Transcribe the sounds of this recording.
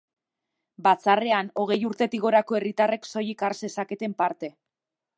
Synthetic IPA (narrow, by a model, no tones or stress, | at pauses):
bat͡sare̞ano̞ɣ̞e̞juɾt̪e̞t̪iɣ̞o̞ɾako̞e̞rit̪are̞kso̞jikaɾse̞sake̞t̪e̞mpaɾt̪e̞